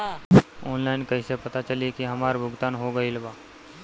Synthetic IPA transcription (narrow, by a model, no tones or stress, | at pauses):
ɔːnlaːɪnkɐisepɐt̪at͡ʃɐliekiɦɐmaːɾbʱʊɡt̪aːnɦoɡɐilbaː